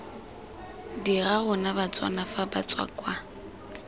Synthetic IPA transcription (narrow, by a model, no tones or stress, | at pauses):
diɣaɣʊnabat͡sʼwa̰nafaba̰t͡sʼwa̰kʼwa